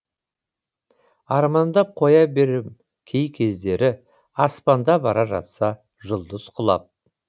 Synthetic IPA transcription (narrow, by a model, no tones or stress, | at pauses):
ɑɾmɑnd̪ɑp̚qʰo̞jɑbe̞ɾɪp | kʲʰe̞jkʲʰe̞zd̪e̞ɾɪ | ɑspɑnd̪ɑbɑɾɑʒɑ̰t̪sɑ | ʒʊlˠd̪əzqʰʊlˠɑ̰p̚